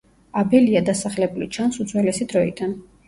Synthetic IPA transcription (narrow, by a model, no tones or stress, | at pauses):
abɛliad̪asaχlɛbulit͡ʃʰansut̪zʰʼwɛlɛsid̪ɾɔḭd̪an